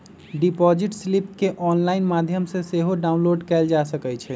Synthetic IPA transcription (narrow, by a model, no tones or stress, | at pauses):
ɖipɔd͡ʒiʈslip̚keʔɔnlaɪnmad̪ʱjəmsẽseɦoɖaũnloɖkɛld͡ʒasəkɛt͡ʃʰɛ